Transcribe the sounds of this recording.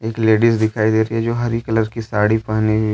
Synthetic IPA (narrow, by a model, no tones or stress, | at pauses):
eːkleːɖisd̪ɪkʰaːid̪eːɾəiɦɛd͡ʒoːɦɐɾikələɾkisaːɽipaɦni